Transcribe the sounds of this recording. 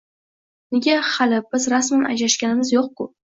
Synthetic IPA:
nɪɡʲaχalɪb̥ɪzɾasmanʔa̰d͡ʒlaʃkʲanɪmɪzjoq̚kʊ

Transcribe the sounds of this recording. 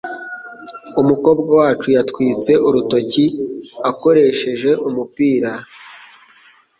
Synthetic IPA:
umuko̞ːb̚ɡawaːt͡ʃujatkwiːt͡se̞ʔuɾuto̞ciako̞ɾe̞ʃe̞ʒe̞ʔumupiːɾa

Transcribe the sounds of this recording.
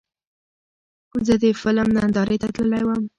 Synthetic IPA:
zəd̪efɪləmnand̪ɑɾʔet̪at̪ləlajwəm

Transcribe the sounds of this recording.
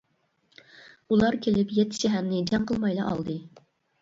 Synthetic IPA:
ulˠɑɾkʲʰelɪpjɛt̪ʰːɪ̥ʃɛɦæɾnɪd͡ʒɛŋqəlˠmɑjlˠɑ̰ʔɑ̰lˠd̪ɨ

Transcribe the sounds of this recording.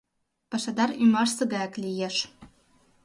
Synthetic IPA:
pɑʃɑd̪ɑɾymɑrsɤɡɑklʲijeʃ

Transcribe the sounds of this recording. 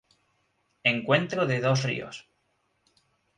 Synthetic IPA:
eŋkwe̞nt̪ɾoðeðosrḭo̰s

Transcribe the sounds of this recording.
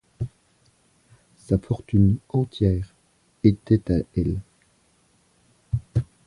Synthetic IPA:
safɔʁt̪ynɑ̃t̪jɛːʁ | et̪ɛt̪aɛl

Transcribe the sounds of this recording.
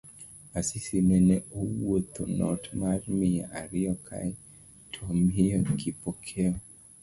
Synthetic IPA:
asisimɛnɛowot̪onɔ̰tmarmia̰ʔaɾɪɔkʰa̰j | tʰomijɔkipɔkʰeɔ

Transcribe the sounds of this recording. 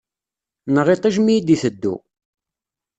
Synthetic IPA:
nəʁet̪ˤiʒmijd̪iθəd̪ːṵ

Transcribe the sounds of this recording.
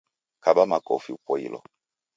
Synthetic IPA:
kabamakɔ̰fiupɔḭlɔ̰

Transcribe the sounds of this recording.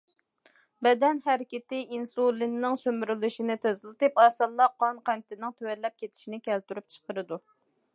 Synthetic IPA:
bɛd̪ɛnhɛɾɪkʲɪt̪ɪinsolˠːinːɪŋsømyɾylyʃinɪt̪ʰezɨlˠɨt̪ɨpɑːsɑlˠːɑqʰɑnqænt̪ɪnɪŋt̪ʰøwɛɾlːɛp̚kʲet̪ʰɪ̥ʃinɪkʲʰɛlt̪yɾyp̚t͡ʃʰə̥qəɾɨd̪u

